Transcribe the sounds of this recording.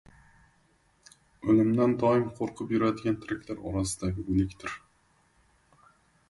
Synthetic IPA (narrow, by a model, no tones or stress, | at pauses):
ɵlɪmd̪and̪ɒɪmqʰoɾqʰɨpjʊɾad̪ɪɡʲant̪ʰɪɾɪkʲlaɾɒ̰ɾasɪd̪aɡʲɪɵnɪkʲt̪ʰɪɾ